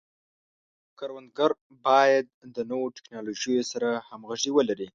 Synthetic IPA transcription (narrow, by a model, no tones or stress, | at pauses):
kaɾwand̪̚ɡaɾ | bɑjad̪̚ːənowoʈɪ̥knɑloʒəjosaɾahamɣaʒiwəlaɾi